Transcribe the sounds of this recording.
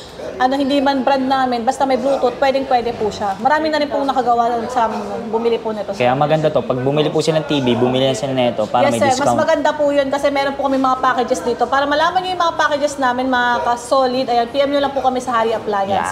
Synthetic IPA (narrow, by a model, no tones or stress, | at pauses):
ʔɐnohɪnd̪iːmɐnbɾand̪̚naːmɪnbɐst̪amɐjbluːt̪ʊt̪̚pwɛːd̪ɪŋpwɛd̪ɛpuʃamɐɾaːmɪŋnɐɾɪnpʊŋnɐkɐɡɐwad̪onsɐɐŋnbʊmɪlɪpʊnɪt̪okɐjamɐɡɐnd̪at̪o̞pɐɡ̚bʊmɪlipusanɐŋt̪iːbibʊmɪlinɐsɐnɛɛt̪o̞paːɾjɐsmɐjsɛɾmɐsmɐɡɐnd̪apujo̞nkɐsɛmɛːɾonpʊkɐmɛŋmɐŋapaːkɛd͡ʒɛsd̪iːt̪o̞paːɾɐmɐlaːmɐnjʊjʊŋmɐŋapaːkɛd͡ʒɛsnaːmɪnmɐŋakɐso̞ːlɪd̪ɐjanpiːʔɛmjulɐŋpʊkɐmɛsɐhaːɾiʔɐplaːjɐns